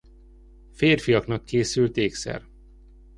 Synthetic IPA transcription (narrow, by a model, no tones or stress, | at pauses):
feːrfijɒknɒkʰːeːsylt̪eːksɛ̰r